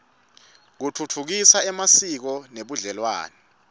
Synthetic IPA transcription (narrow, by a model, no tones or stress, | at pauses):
k̬utʰutʰuk̬isaɛmasik̬ɔneɓuɮɛlwa̰ːnɛ